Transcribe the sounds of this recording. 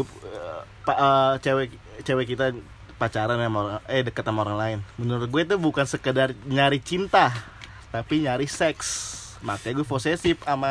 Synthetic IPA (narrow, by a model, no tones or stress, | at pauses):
paət͡ʃewɛ | t͡ʃewɛkit̪a | pat͡ʃaɾanamaoɾaŋɛdəkat̪amaoɾaŋlaɪnbənuɾʊt̪̚ɡuɛt̪̬ubukansəkədarɲaɾɪht͡ʃint̪ah | t̪apiɲaɾɪhsɛks | mat̪iaɡuɛposesɪpama